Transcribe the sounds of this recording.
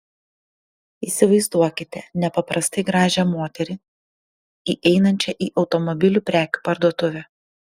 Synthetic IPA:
iːsʲɪʋɐɪzd̪uɔkʲɪt̪ʲɛnʲɛpɐpɾɐst̪ɐɪɡɾɑːʒʲɛmoːt̪ʲɛɾʲɪ | iːʔɛɪnɐnʲt͡ʃʲɛʔiːʔɒʊt̪ɔmɔbʲɪlʲuːpʲɾʲæːkʲu̥pɐɾd̪uɔt̪ʊʋʲɛ

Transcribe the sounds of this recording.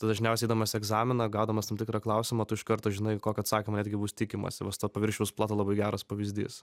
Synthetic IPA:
t̪ɐd̪ɐʒʲɪnʲɛʊsʲɛɪiːd̪ɐmɐsʲɪɛɡzɑːmʲɪnɐɡɑʊd̪ɐmɐst̪ɐmtʲɪkɾɑklˠɐʊsʲɪmɐt̪ʊɪʃkɐɾt̪oːʒʲɪnɐɪkoːkʲɐt̪sɑːkʲɪmɐnʲæd̪ʲɡʲɪbuːst̪ʲɪkʲɪmɐ̰sʲɪʋɐst̪opɐʋʲɪɾʲʃʲɛʊsplˠɑːt̪oːlˠɐbɐɪɡʲæːɾɐspɐʋʲɪzʲd̪ʲḭːs

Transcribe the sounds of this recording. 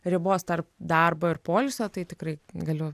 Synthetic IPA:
ɾʲɪboːst̪ɐrpd̪ɐrboːɪrpoːlʲɪsʲoːt̪ɐɪt̪ʲɪkrɐɪɡɐlʲʊ

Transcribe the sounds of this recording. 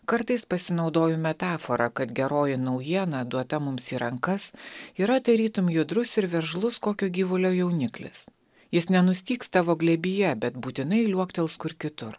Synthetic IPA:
kɐɾt̪ɐɪspɐsʲɪnɒʊd̪oːjʊmʲɛt̪ɑːfoɾɐkɐt̪ɡʲɛɾoːjɪnɐʊjiɛnɐd̪uɔt̪ɐmʊmsiːɾɐŋkɐsiːɾɐt̪ɐɪɾʲiːt̪ʊmjʊd̪ɾʊsɪɾʋʲɛɾʒlˠʊskoːkʲoːɡʲiːʋʊlʲoːjɛʊnʲɪklʲɪ̰s | jɪsnʲɛnʊsʲt̪ʲiːkst̪ɑːʋoːɡlʲɛbʲɪjɛbʲɛt̪buːt̪ʲɪnɐɪlʲuɔkt̪ʲɛlˠskʊɪɾkʲɪt̪ʊɾ

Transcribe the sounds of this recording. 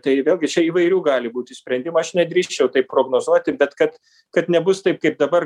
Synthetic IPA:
t̪ɐɪʋʲeːlʲˠɡʲɪt͡ʃʲɛiːʋɐɪɾʲuːɡɑːlʲɪbuːt̪ʲɪsʲpʲɾʲɛnd̪ʲɪmɐɐʃnʲɛd̪ʲɾʲiːʃʲt͡ʃʲɛʊt̪ɐɪppːɾoːɡnoːzuɔt̪ʲɪbʲɛt̪kɐt̪ | kɐt̪nʲɛbʊst̪ɐɪp̚kɐɪp̚d̪ɐbɐr

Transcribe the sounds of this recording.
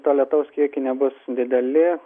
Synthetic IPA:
t̪oːlʲɛt̪ɐʊskʲiɛkʲɪnʲɛbʊsd̪ʲɪd̪ʲɛlʲɪ

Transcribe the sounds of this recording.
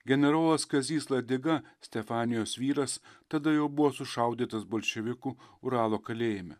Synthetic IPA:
ɡʲɛnʲɛɾoːlˠɐskɐzʲiːslˠɐd̪ʲɪɡɐsʲt̪ʲɛfɑːnʲɪjoːsʋʲiːɾɐst̪ɐd̪ɐjɛʊbʊʋoːsʊʃɐˑʊd̪ʲiːt̪ɐsboːlʲʃʲɛʋʲɪkuːʊɾɑːlˠoːkɐlʲeːjɪmʲɛ

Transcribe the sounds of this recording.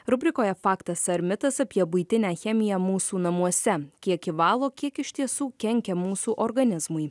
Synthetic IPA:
ɾʊbʲɾʲɪkoːjɛfɑːkt̪ɐsɐɾʲmʲɪt̪ɐsɐpʲiɛbʊɪt̪ʲɪnʲæːxʲɛmʲɪjɛmuːsuːnɐmuɔsʲɛkʲiɛkɪʋɑːlˠoːkʲiɛkɪʃʲt̪ʲiɛsuːkʲɛŋʲkʲɛmuːsuːʔɔɾɡɐnʲɪzmʊɪ

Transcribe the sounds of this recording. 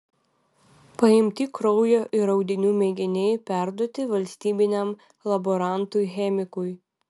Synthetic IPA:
pɐɪmʲt̪ʲikɾɔʊjoːʔɪɾɐʊd̪ʲɪnʲuːmʲeɡʲɪnʲɛɪpʲæˑɾd̪ɔt̪ʲɪʋɐlʲsʲt̪ʲiːbʲɪnʲɛm | lˠɐbɔɾɑˑnt̪ujxʲɛmʲɪkʊj

